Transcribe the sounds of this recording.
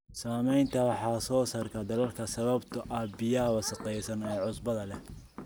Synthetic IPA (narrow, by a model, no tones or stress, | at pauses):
saːmɛjnt̪ʰɐwɑħɑːsɔːsɐrkʰɐd̪ɐlɐlkʰɐsɐβɐbt̪ʰɐʔɐbɪjɐɦɐwɐsɐqɛjsɐnɛːʕʊsbɐðɐlɛ